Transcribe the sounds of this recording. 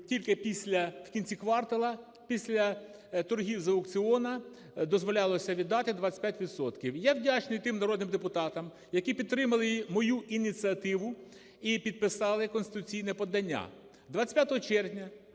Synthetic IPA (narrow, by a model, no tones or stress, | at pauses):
tʲilʲkɪpʲisʲlʲɐw̥kʲinʲt͡sʲikʋɑrt̪ɐlˠɐ | pʲisʲlʲɐ | t̪ɔrɦʲiwzɐʊkt͡sʲɪɔnɐ | d̪ɔzʋɔlʲɑlˠɔsʲɐʋʲid̪ːɑt̪ɪd̪ʋat͡sʲːɪ̥pʲjatʲʋʲid̪sɔt̪kʲiwjawdʲat͡ʃnɪjt̪ɪmnɐɾɔd̪nɪmd̪epʊt̪ɑt̪ɐm | jɐkʲipʲid̪t̪ːɾɪmɐlˠɪmɔjuʔinʲit͡sʲiɐt̪ɪʋʊ | ipʲid̪̚pɪsɑlˠɪkɔnst̪ɪt̪ʊt͡sʲijnɛpɔd̪ɐnʲːa̰ | d̪ʋat͡sʲsʲsʲpʲjat̪ɔɦɔt͡ʃɛrnʲɐ